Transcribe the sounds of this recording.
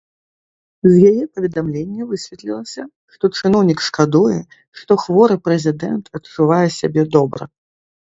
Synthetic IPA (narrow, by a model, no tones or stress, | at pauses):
zʲjajɛpɐvʲɛd̪amlʲenʲːɐvɨsʲvʲɛt̪lʲilˠɐsʲɐ | ʂt̪ɔt͡ʂɨnɔwnʲikʂkad̪ujɛ | ʂt̪ɔxvɔɾɨpɾɛzʲid̪ɛnt̪ʰɐt̪t͡ʂuvajɛsʲabʲɛd̪ɔbɾɐ̰